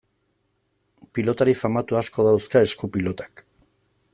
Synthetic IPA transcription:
pilo̞t̪aɾifamat̪uasko̞ðawskae̞skupilo̞t̪ḁk

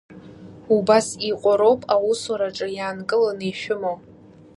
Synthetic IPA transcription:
ubasiqʷʼaɾopʼawuswaɾaʈ͡ʂʼɨjaːnkʼɨlaneʃᶣʊmo

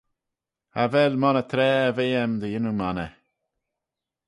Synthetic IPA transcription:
avɛlmɔnət̪ʰɾɛːəveːəmd̪əjɪnumanə

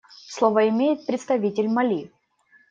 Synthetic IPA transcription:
slˠovəɪmʲejɪt̪̚pɾʲɪt̪st̪ɐvʲitʲɪlʲmɐlʲi

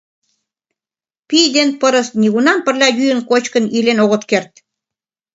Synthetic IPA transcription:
pijd̪enpəɾə̆sniɣunɑnpə̆rlʲɑjyjə̆nkot͡ɕkə̆nilenoɣət̪kert̪̚

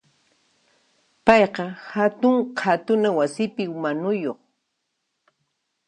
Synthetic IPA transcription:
pɑjqɑhat̪ʊŋqʰat̪ʊnawasɪpɪʊmanʊjoχ

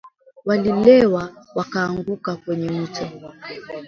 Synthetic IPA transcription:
walilɛwawakaːŋɡukakwɛɲɛm̩t͡ʃa

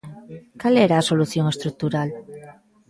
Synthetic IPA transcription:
kaleɾaso̞lusioŋe̞st̪ɾuk̚t̪uɾal

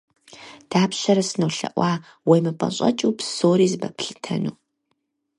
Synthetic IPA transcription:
d̥aːpɕɐɾɐsɨnowɬɐ̰ʔʷɑː | wejmɨpʼɐ̰ɕʼɐ̰t͡ʃʼuːpʰsoːɾiːzɨbɐpʰɬɨ̥tʰɐ̰nuː

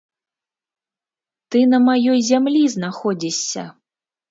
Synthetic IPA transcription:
t̪ɨnɐmajɔjzʲamlʲiznaxɔd͡zʲisʲːɐ̰

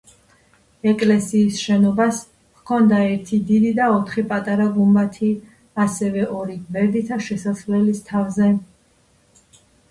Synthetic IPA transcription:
ɛkʼlɛsiːsʃɛnɔbas | kʰɔnd̪aɛɾt̪ʰid̪id̪id̪aɔt̪ʰχipʼat̪ʼaɾaɡumbat̪ʰi | asɛvɛʔɔɾiɡbɛɾd̪it̪ʰaʃɛsasvlɛlist̪ʰavzɛ

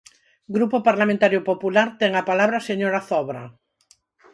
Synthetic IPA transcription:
ɡɾupopaɾlamẽnt̪aɾjʊpopulaɾt̪ɛŋapalaβɾaseɲoɾaθɔβɾa̰

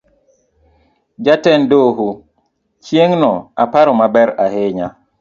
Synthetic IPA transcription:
d͡ʒatɛndoɦo | t͡ʃjeŋnɔapaɾɔmabɛɾaɦɪɲa

